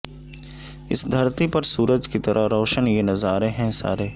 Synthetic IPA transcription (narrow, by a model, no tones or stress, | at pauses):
ɪ̰sd̪ʱɐɾt̪ipɐɾsuːɾəd͡ʒkit̪ɐɾʔəɾɔːʃənjenɐzaːɾeɦɛ̃sa̰ːɾeː